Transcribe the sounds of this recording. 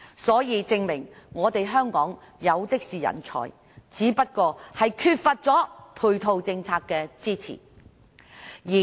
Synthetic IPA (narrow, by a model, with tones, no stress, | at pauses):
sɔː˨˥jiː˨˧t͡sɪ˧ŋmɪ˨˩ŋŋɔː˨˧t̪e˨jɦœː˥ŋkɔː˨˥ŋ | jɐ˨˧wt̪ɪ˥k̚siː˨˩jɐ̰˨˩nt͡ʃʰɔ̰ː˨˩j | t͡siː˨˥pɐ˥t̚kɔː˧hɐ˨jkʰyː˧t̚fɐ˧t̚t͡sɔː˨˥pʰuː˧jt̪ʰo˧wt͡sɪ˧ŋt͡sʰaː˧kːɛː˧t͡siː˥t͡sʰḭː˨˩ | jiː˨˩